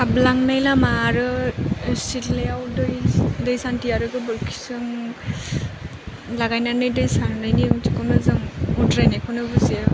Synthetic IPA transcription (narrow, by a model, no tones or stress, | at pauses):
ablaŋnajlamaɾɯesitleawdɯjdɯjsantijaɾɯɡɯbɯlkʰi̥sɯŋ | laɡajnanɯjdɯjsanːajniɯŋtikɯnɯzɯŋutɾajnajkʰɯnɯbɯziaɾ